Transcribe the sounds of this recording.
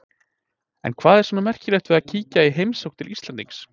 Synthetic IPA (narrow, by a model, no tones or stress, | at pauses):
ɛ̰nkʰvaːðɛɾ̥sɔnamɛr̥cɪleht̪vɛðacʰiːcaiɦejmsowk̚t̪ʰɪlʔisɛnt̪iŋks